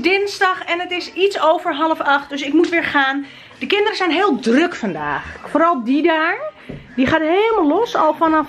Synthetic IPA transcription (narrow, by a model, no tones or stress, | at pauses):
dɪnsdɑxɛnətɪsitsoːvəɹɦɑləfɑxt̚døsɪkmutʋɪːɹχaːn | dəkɪndərəzɛjnɦɪːlˠdrøkfɑnda̰ːxfoːɾɑlˠdidaːɹ | diχaːtɦeːlˠmalɔsɔlˠfanɑ